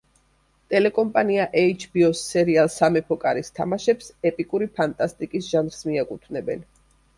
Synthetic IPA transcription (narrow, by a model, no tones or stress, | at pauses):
t̪ʼɛlɛkʼɔmpʼaniaʔɛit͡ʃʰbiɔsːɛɾialˠsamɛpʰɔkʼaɾist̪ʰa̰maʃɛpsɛpʼikʼuɾipʰant̪ʼast̪ʼikʼisʒanɾsmiakʼut̪ʰvnɛbɛn